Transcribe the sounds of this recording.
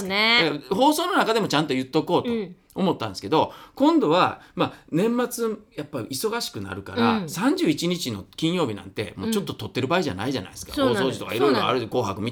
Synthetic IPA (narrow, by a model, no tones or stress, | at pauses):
ed̪akɦo̞ːso̞ːno̞nakad̪e̞mo̞t͡ɕãnt̪o̞jɯ̟t̪ːo̞ko̞ːt̪o | omo̞t̪ːãnd̪eske̞d̪o̞kõ̞nd̪o̞βamanẽ̞mːat͡sɨjapːaiiso̞ɡaɕi̥kɯ̟na̰ɾɯ̟ka̰ɾasãɲ̟d͡ʑɨːit͡ɕiɲ̟it͡ɕino̞̰kʲĩɰ̃jo̞ːbʲinã̰nt̪e̞̰mo̞̰ːt͡ɕo̞t̪ːo̞t̪o̞t̪ːe̞ɾɯ̟baːiʑa̰na̰iʑa̰na̰i̥sɨ̥ka̰oːso̞ːʑit̪o̞kaiɾo̞iɾoa̰ɾɯ̟ko̞ːɦakɯ̟mʲit̪